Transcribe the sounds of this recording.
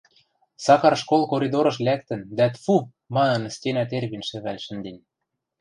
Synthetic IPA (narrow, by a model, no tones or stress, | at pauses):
sɑkɑrʃkolˠkoɾʲid̪oɾɤ̆ʃlʲæk̚t̪ɘ̆nd̪æt̪fu | mɑnɤ̆nst̪ʲenæt̪erβinʃɘ̆βælʲʃɘ̆nd̪ĕnʲ